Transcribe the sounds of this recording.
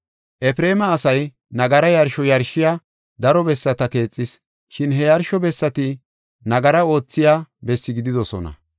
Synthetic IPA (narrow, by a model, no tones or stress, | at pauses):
ʔɛfɾe̞ːmɐːsɐj | nɐɡɐɾɐjɐɾʃɔjɐɾʃːɪja | d̪ɐɾɔbɛsːɐt̪ɐke̞ːt͡sʼːɪs | ʃɪnɦɛjɐɾʃɔbɛsːɐt̪ɪ | nɐɡɐɾɐo̞ːt͡sːɪjaːbɛsːɪɡɪd̪ɪd̪ɔsɔ̰nɐ̰